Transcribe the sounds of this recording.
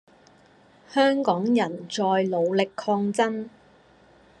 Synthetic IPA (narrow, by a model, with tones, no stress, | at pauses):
hœː˥ŋkɔː˨˥ŋjɐ˨˩nt͡sɔː˧jlo˨˧wlɪ˨kʰːɔː˧ŋt͡sɐ˥n